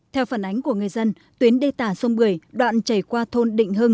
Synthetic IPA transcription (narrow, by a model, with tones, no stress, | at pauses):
t̪ʰɛ˧wfaː˧˩nʔa˨˦jŋ̟ku˧˩əŋɨ˨˩əjzə˧n | t̪wi˨˦ənɗe˧t̪aː˧˩sə˧wŋ͡mɓɨ˨˩əjɗwa̰ː˧˨nt͡ɕə˧˩jkwaː˧t̪ʰo˧nɗḭ̈˧˨ŋ̟ɦɨ˧ŋ